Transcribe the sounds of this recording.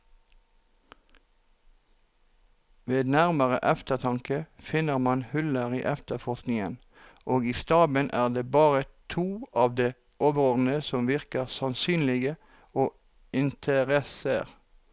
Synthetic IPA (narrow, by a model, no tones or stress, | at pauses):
ʋeːd̪næʁməʁə̰ʔɛft̪əʁt̪ʰɑŋkəfɪnəʁmɑnhʉləʁiːʔɛft̪əfɔʁsknɪŋən | ʔoːɡiːst̪ɑːbənʔæːʁd̪eːbɑːʁət̪ʰuːɑːʋd̪eː | ʔoːʋəʁɔʁn̩əsɔmʋɪʁkəʁsɑnsyːnlɪɡə | oː | ɪnt̪ʰəʁɛseʁ